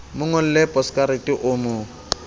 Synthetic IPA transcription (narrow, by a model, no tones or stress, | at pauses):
mʊŋɔl̩lɛpʼɔskʼaɾetʼɪʔʊmʊ